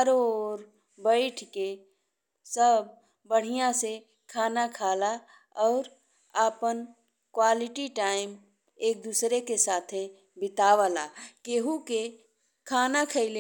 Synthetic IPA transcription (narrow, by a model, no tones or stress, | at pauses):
əɾoːɾ | bəɪʈʰke | səb | bəɽ̤ijãse | kʰaːnakʰaːla | ɔːɾ | aːpən | kwaːlɪʈiʈaːɪm | eːk̚d̪uːsɾekesaːt̪ʰe | bɪt̪aːʋalakeːɦuke | kʰaːnakʰəɪle